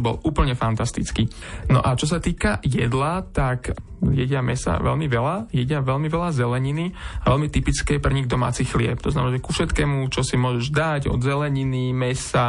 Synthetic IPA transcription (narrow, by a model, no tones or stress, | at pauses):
bɔ̰luːpl̩ɲɛfant̪ast̪it͡skiː | nɔ̰ʔat͡ʃɔs̬at̪iːkajɛd̪lat̪ak | jɛɟɪamɛsa̰ʋɛ̰ʎmiʋɛlajɛɟɪaʋɛʎmiʋɛʎazɛlɛɲiniaʋɛlmit̪ipit͡skɛːpr̩ɲiɡd̪ɔma̰ːt͡siːxlɪɛ̰p̚t̪ɔznamɛnaʒɛkufʃɛt̪kɛːmut͡ʃɔsimʊɔʒɛʒd̪aɟɔ̰d̪zɛlɛɲinimɛsa